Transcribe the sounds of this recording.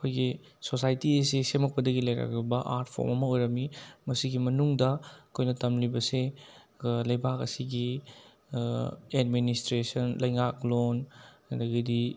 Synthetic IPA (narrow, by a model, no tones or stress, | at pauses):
ɐkʰojɡi | sosajtiɐsesemɐk̚pɐdɐɡilɐjɾa̰kɾubɐʔa̰ɾt̚pʰo̰ɾmɐmɐojɾɐmimɐsiɡimɐnuŋdɐɐkʰojnɐtɐmlibɐse | lɐjbakɐsiɡi | ed̚ministɾesɐnlɐjŋaklonkɐdɐɡidi